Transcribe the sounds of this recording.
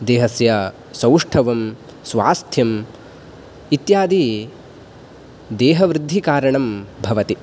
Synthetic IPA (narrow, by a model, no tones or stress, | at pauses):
d̪eːɦɐsjɐ | sɐwʂʈʰɐʋɐm | sʋaːst̪ʰjɐm | it̪jaːd̪i | d̪ɛːɦɐʋɾɪd̪ʱːikaːɾɐɳɐmbʱɐʋɐt̪i